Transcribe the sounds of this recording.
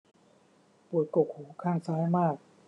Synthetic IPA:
pu˨˩ət̪̚ko˨˩k̚huː˩˦kʰaː˥˩ŋsaː˦˥jmaː˥˩k̚

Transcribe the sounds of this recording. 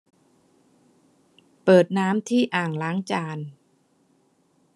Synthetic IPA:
pɤː˨˩t̪̚naː˦˥mt̪ʰiː˥˩ʔaː˨˩ŋlaː˨˦˥ŋt͡ɕaː˧n

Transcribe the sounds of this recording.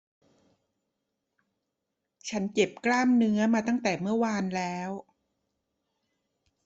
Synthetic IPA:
t͡ɕʰa˦˥nke˨˩p̚klaː˥˩mnɯ˦˥ɐmaː˧t̪a˥˩ŋt̪ɛː˨˩mɯ˥˩ɐwaː˧nlɛː˦˥w

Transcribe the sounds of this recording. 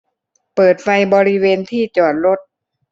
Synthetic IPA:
pɤː˨˩t̪̚fa˧jbɔː˧ɾi˦˥weː˧nt̪ʰiː˥˩t͡ɕɔː˨˩n̚ɾo˦˥˩t̪̚

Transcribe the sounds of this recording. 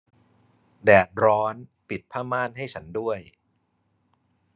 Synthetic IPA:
dɛː˨˩t̪̚ɾɔː˦˥npi˨˩t̪̚pʰaː˥˩maː˥˩nɦa˥˩jt͡ɕʰa˦˥ndu˥˩əj

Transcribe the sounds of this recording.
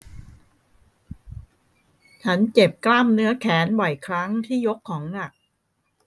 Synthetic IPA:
t͡ɕʰa˦˥nt͡ɕe˨˩p̚kla˥˩mnɯ˦˥ɐkʰɛː˩˦nbɔ˨˩jkʰɾa˦˥ŋt̪ʰiː˥˩jo˦˥kʰːɔː˩˦ŋna˨˩k̚

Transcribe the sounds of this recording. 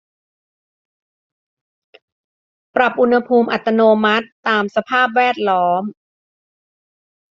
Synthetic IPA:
pɾa˨˩p̚ʔu˧nha˧pʰuː˧mʔa˨˩t̪ːa˧noː˧ma˦˥t̪ːaː˧msa˧pʰaː˥˩p̚wɛː˥˩t̪̚lɔː˦˥m

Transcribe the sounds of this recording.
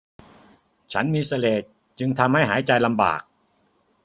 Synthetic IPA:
t͡ɕʰa˦˥nmiː˧sa˧leː˨˩t̪̚ | t͡ɕɯ˧ŋt̪ʰa˧mha˥˩jɦaː˩˦jt͡ɕa˧jla˧mba̰ː˨˩k̚

